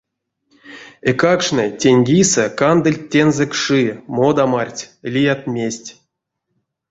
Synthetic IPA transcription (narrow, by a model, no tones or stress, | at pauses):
ekakʂnɨtʲenʲɡʲisekand̪ɨlʲtʲːenzɛkʂɨmod̪amarʲtʲlʲijat̪mʲesʲtʲ